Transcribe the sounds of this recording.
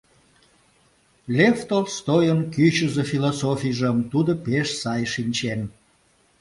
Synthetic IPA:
lʲeft̪olst̪ojənkyt͡ɕəzefilosofʲijʒəmt̪ud̪opeʃsɑjʃinʲt͡ɕen

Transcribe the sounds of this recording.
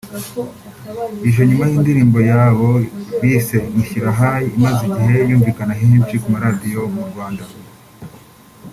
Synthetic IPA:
iʒo̞ɲumahiːndiɾiːmbo̞jaːβo̞βiːse̞miçiɾaɦaimaziɟiɦejuːɱviːkanaɦihimt͡ʃikumaɾaːdijo̞muɾɡwaːnda

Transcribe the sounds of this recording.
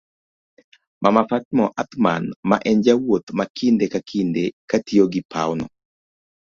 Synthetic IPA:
mʔamafat̪mɔʔat̪ma̰nma̰ʔɛnd͡ʒawot̪makʰindekakʰindekatioɡɪpʰa̰wnɔ̰

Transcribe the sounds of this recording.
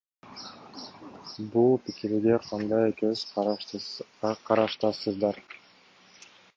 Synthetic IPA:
bulˠpikiɾɡeqʰɑnd̪ɑjekez | qʰɑɾɑʃt̪ɑsɯzd̪ɑɾ

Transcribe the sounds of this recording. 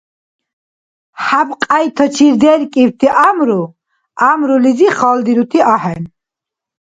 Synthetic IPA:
habqʼajt̪ʰət͡ʃʰiɾd̪ɛɾkʼiwt̪ʰiʔamɾu | amɾuliziχald̪iɾut̪ʰiʔahɛn

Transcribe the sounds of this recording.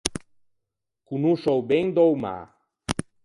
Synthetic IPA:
kunuʃowbeŋd̪owma̰

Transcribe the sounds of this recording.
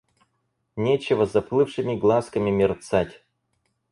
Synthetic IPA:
nʲet͡ɕɪvəzɐplˠɨfʂɨmʲɪɡlˠaskəmʲɪmʲɪrt̪satʲ

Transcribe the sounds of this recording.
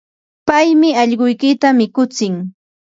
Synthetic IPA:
pajmɪɑʎɢʊjkɪt̪amɪkʊt͡sɪŋ

